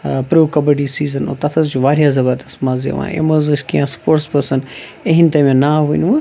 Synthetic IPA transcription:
pɾoːkɐbəɖisiːzɐno̰t̪ɐt̪ʰɐsd͡ʒuʋaːɾijazɐbɐd̪ɐsmazḛʋã̰ːʔḛməzɨskijãːspoːʈspɐsɐneɦint̪ɐmẽnaːɦunʋɐ

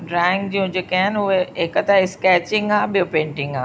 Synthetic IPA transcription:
ɖɾaːɪ̃ŋɡ̚d͡ʑijũd͡ʑeːkaːɦɪnɪ̆ʊɦeɦekət̪aɪskɛːt͡ɕɪ̃ŋɡaːɓijopẽːɳʈɪ̃ŋɡa̰ː

